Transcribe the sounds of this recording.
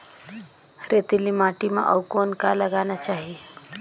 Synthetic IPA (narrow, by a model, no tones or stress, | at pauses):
ɾet̪ilimaʈimã̰ʔɔwkonkaləɡanat͡ʃaɦi